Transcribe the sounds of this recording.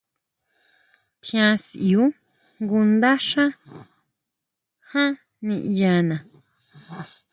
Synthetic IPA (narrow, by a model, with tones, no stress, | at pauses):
t̪ʰĩ˧ã˧si˨u˦ | ŋɡu˧nd̪a˦ʂã˦ | hã˦ | nĩ˧ʔja˧nã˨